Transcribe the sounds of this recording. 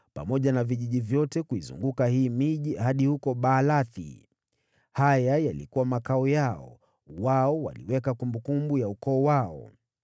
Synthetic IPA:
pa̰mɔʄanaviʄiʄivjɔtɛkuizṵŋɡukahiːmiʄihaɗihukɔɓaːlaθḭ | hajajalikuwamakaɔjaɔ̰ | waɔwa̰lḭwɛkakumbukumbujaukɔːwaɔ̰

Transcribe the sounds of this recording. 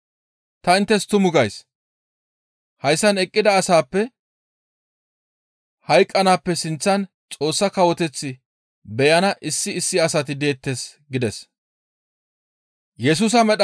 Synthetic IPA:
t̪ɐɪnt̪ːɛst̪ʊmʊɡɐjs | hɐjsːɐnɛkʼːɪd̪ɐːsaːpːɛ | hɐjkʼːɐnaːpːɛsɪnt͡sːɐn | t͡sʼo̞ːsːɐkɐwɔt̪ɛt͡sːɪ | bɛjɐnɐʔɪsːɪːsːɪɐsɐt̪ɪd̪e̞ːt̪ːesɡɪd̪ɛs | jɛs̬ʊs̬ɐmɛɗ

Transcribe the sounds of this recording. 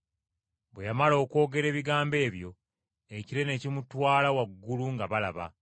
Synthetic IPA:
bwe̞jamalo̞ːko̞ːɡe̞ɾe̞ːβiɡaːmbe̞ːβjo̞ | eciɾe̞ne̞cimutwaːlawaɡːuluŋɡaβala̰βa̰

